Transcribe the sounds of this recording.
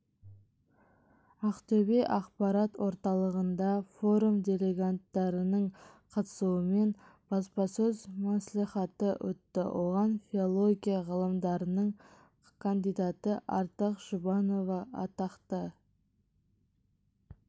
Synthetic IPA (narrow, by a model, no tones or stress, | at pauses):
ɑqt̪ʰɵbeʔɑqpɑɾɑt̪wo̞ɾt̪ɑlˠəʁənd̪ɑfo̞ɾumd̪ʲele̞ɡat̪ːɑɾənəɴqʰɑt̪ə̥suəme̞n | b̥ɑspɑsɵzmɑsliχɑt̪əwɵ̰t̪ːɪ̰wo̞ʁɑnfʲiolˠo̞ɡʲijɑʁəlˠəmd̪ɑɾənəɴ | kʰand̪ijd̪ɑt̪əʔɑɾt̪əqʒ̥ʊbɑno̞vɑɑ̰t̪ɑqt̪ə